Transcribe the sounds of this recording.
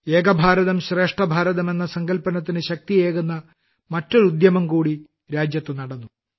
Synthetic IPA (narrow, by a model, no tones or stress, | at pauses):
eːɡɐbʱaːɾɐðɐmɕre̞ːʂʈɐbʱaːɾɐðɐme̞nːɐsɐŋɡɐlpɐnɐt̪ːinɨɕɐk̚t̪ijeːɣunːɐ | mɐtːoɾud̪jɐmɐmkuːɽi | ɾaːd͡ʑjɐt̪ːunɐɽɐnːu